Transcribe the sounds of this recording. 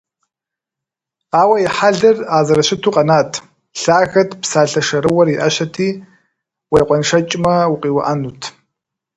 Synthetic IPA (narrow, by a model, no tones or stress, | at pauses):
aːwɐiħaɮɨraːzɐɾɐɕɪtʰuːqʼɐnaːtʰ | ɬaːɣɐtʰpsaːɬɐʂɐɾɨwɐriʔɐɕɐtʰiː | wejqʷʼɔnʂɐt͡ʃʼmɐwuqʼiːwɐ̰ʔɐnuːtʰ